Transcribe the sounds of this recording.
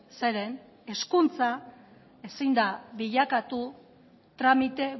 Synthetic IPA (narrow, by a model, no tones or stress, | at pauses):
se̞ɾe̞n | e̞skunt͡sa | e̞sind̪aβiʎakat̪u | t̪ɾamit̪e̞